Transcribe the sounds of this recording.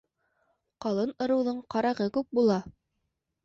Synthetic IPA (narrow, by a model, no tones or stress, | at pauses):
qɑlˠɤnŏɾɤ̆wðɤɴqɑɾɑʁɤkʉp̚bulˠɑ